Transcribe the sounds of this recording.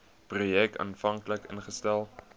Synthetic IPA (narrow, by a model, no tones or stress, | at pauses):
prujɛk̚tɑ̰nfɐŋkləkə̰nχəstælˠ